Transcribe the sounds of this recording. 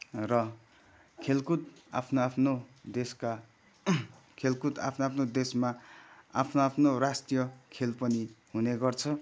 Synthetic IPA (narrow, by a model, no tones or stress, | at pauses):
rʌ | kʰelkut̪̚a̰pʰnoapʰnod̪eska | kʰelkut̪a̰pʰnoapʰnod̪esmaapʰnoapʰnorast̪ijʌkʰelpʌniɦuneɡʌrt͡sʰʌ